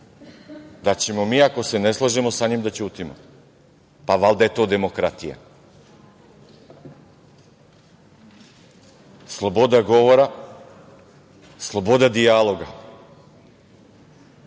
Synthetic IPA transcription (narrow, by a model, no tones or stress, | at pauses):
d̪at͡ɕe̞mo̞miːako̞se̞ne̞slˠaʒemo̞saɲimd̪at͡ɕuːt̪imo | paʋalˠd̪aje̞t̪o̞ːd̪e̞mo̞kɾat̪ija̰ | slˠo̞bo̞d̪aɡo̞ʋoɾa | slˠo̞bo̞d̪ad̪ijalˠo̞ɡa